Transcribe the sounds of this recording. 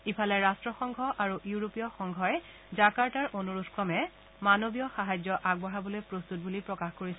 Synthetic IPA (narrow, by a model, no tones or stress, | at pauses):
ipʰalɛɹastɹɔxɔŋɡʱɔʔaɹujuɹopijɔxɔŋɡʱɔɛ | zakaɹtaɹʔonuɹutʰkɹɔmɛ | manobijɔxaɦajzjɔʔaɡ̚bɔɦabɔlojpɹost̪ut̚bulipɹɔkaxkoɹisɛ